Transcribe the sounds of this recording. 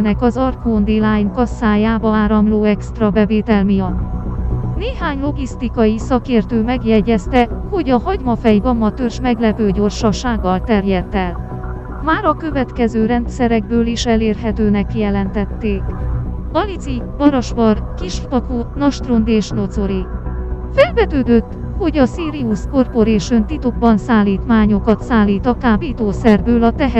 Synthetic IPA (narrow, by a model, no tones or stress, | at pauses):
nɛkɒzɒrkoːnd̪ilaːjnkɒsːaːjaːbɒaːɾɒmloːɛkst̪rɒbɛveːt̪ɛlmiɒt̪ːneːɦaːɲlo̞ɡist̪ikɒjisɒkeːrt̪øːmɛɡjɛɟːɛst̪ɛho̞ɟɒɦɒɟmɒfɛjvɒmːɒt̪ørʃmɛɡlɛpøːɟorʃɒʃaːɡːɒlt̪ɛrjɛt̪ːɛl | maːɾɒkø̞vɛt̪kɛzøːɾɛnt̪sɛɾɛɡ̚bøːliʃɛleːrɦɛt̪øːnɛkːijɛlɛnt̪ɛt̪ːeːkbɒlizi | bɒɾɒʃbɒrkiʃfp̪ɒkoːt̪nɒʃt̪rond̪eːʃnozo̞ɾifɛlvɛt̪øːd̪øt̪ːho̞ɟɒsiːɾiusko̞rpo̞ɾeːʃønt̪it̪oɡ̚bɒnsaːlːiːt̪maːɲo̞kɒt̪saːlːiːt̪ɒkaːbiːt̪oːsɛrbøːlɒt̪ɛɦ